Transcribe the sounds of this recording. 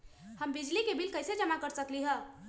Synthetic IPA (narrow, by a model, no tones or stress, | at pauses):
həmbid͡ʒlikebʱilkəjsed͡ʒəmakəɾsəkliɦə̃